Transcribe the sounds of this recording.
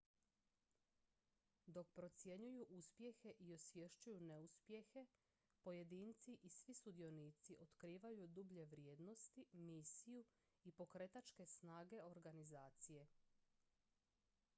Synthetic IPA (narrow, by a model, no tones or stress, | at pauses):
d̪o̞kpɾo̞t̪sje̞ɲujuʔuspje̞xe̞ʔio̞sʋjeʃt͡ʃujune̞uspje̞xe̞ | po̞je̞d̪iːnt̪siʔisʋisud̪io̞niːt̪siʔo̞t̪kɾiːʋajud̪ubʎe̞ʋɾjeːd̪no̞st̪imiːsiju | ipo̞kɾe̞t̪at͡ʃke̞snaːɡe̞o̞ɾɡanizaːt̪sije̞